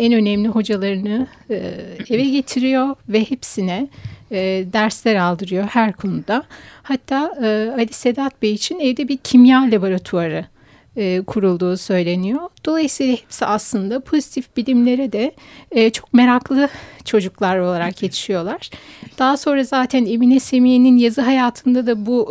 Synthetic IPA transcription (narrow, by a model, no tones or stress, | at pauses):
ɛnø̞nɛmlʲiɦo̞d͡ʒalˠaɾɯnɯ | evɛɟe̞t̪ʰiɾijo̞vɛhepsinɛ | d̪æɾslʲæɾalˠd̪ɯɾɯjo̞hæɾkʰo̞nud̪ahat̪ʰːaːɯalʲise̞d̪at̪̚bejit͡ʃʰinɛvd̪ɛbiɾcʰimjalʲaboɾat̪ʰuaɾɯː | kʰuɾulˠd̪uːsø̞jlʲe̞nijo̞d̪̥o̞lˠajɯsijlˠahepsiʔaslˠɯnd̪apʰo̞zit̪ʰifbilʲimlʲe̞ɾid̪ɛːt͡ʃʰo̞k̚me̞ɾaklˠɯt͡ʃʰo̞d͡ʒuklˠaɾo̞lˠaɾakje̞t̪ʰi̥ʃijo̞lˠaɾ̥d̪̥aɦaso̞nɾazaːt̪ʰæne̞minɛse̞mijeninjazɯɦajaːt̪ʰɯnd̪ad̪abu